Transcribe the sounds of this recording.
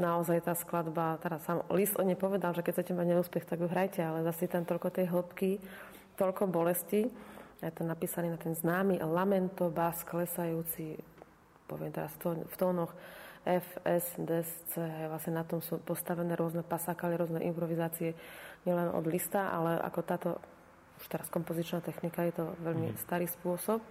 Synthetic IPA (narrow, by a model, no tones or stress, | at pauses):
naɔzajt̪aːsklad̪bat̪ɛɾasːamɔ̰lisd̪ɔd̪ɲɛjpɔʋɛd̪alʒɛkɛc̚t͡sɛcɛmaɟɲɛuːspɛxt̪aɡjuɦɾajcɛalɛzasit̪amt̪ɔlkɔt̪ɛjɦl̩pki | t̪ɔʎkɔbɔlɛsciajɛt̪ɛnnːapiːsaniːnat̪ɛnznaːmilamɛnt̪ɔbasklɛsajuːt͡si | pɔ̰ʋɪɛmt̪ɛɾasft̪ɔft̪ɔːnɔxɛfɛsd̪ɛst͡sɛjɛʋlasɲɛnat̪ɔmsuːpɔst̪aʋɛnɛːɾʊɔznɛpasakaliɾʊɔznɛʔimpɾɔʋizaːt͡siɛɲɪɛlɛnɔ̰d̪list̪aʔa̰lɛʔa̰kɔt̪aːt̪ɔ̰ | u̥ʃt̪ɛɾaskɔmpɔzit͡ʃnat̪ɛxnikajɛt̪ɔʋɛʎmḭst̪aɾiːspʊɔsɔp̚